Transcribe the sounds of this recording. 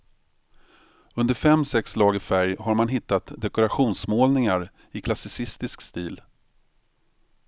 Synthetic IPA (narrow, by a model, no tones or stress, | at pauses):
ɵnd̪əɾfɛmːsɛkslɑːɡɪfæɾjhaɾmanɦɪt̪ːat̪d̪ɛkʊɾaɧuːnsmoːlnɪŋaɾ | ɪkʰlasɪsɪst̪ɪskst̪iːl